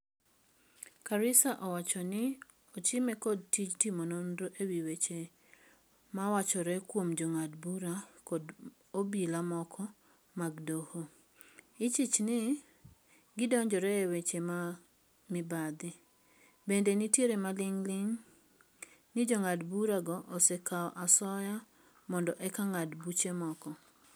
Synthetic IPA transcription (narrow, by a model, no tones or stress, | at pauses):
kaɾɪsaʔɔwat͡ʃɔnɪ | ot͡ʃɪmɛkod̚tit͡ʃtimonondoʔewiwet͡ʃe | mawat͡ʃɔɾɛkwomd͡ʒoŋadbuɾakɔd | obilamɔkʰɔ | maɡdoho | ɪt͡ʃit͡ʃnɪ | ɡɪdɔɲd͡ʒɔɾɛewet͡ʃema | mɪbad̪ɪ | bendenitjeɾemalɪŋlɪŋ | nɪd͡ʒɔŋadbuɾaɡɔʔosekaɔʔasɔja | mɔndɔʔɛkaŋadbut͡ʃemɔkɔ